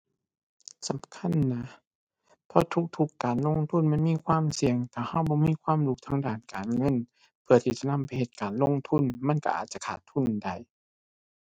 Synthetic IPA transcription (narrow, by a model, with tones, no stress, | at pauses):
sa˨˦mkʰa˧˥˨nːa˦˥ | pʰɔ˧t̪ʰu˧k̚t̪ʰu˧kːaː˨˩nlo˧˥˨ŋt̪ʰu˧˥˨nma˧˥˨nmiː˧˥˨kʰwaː˧˥˨msi˨˧əŋt̪ʰaː˧˩ha˧˥˩wbɔː˧˦miː˧˥˨kʰwaː˧˥˨mlu˧k̚t̪ʰaː˧ŋdaː˧˩˨nkaː˨˩nŋɤ˧˥˨n | pʰɯ˧˩ɐt̪ʰiː˧˩t͡ɕa˧˨na˧˥˨mpa˨˩jhe˧˦t̪̚kaː˨˩nlo˧˥˨ŋt̪ʰu˧˥˨nma˧˥˨nka̰˧ʔa̰ː˨˩t̪̚t͡ɕa˧˩kʰaː˨˩t̪ʰːu˧˥˨nda˨˩j